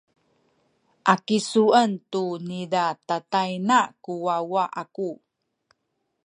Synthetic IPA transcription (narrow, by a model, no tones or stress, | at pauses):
ʔakisuəntunidatatajnakuwawaʔaku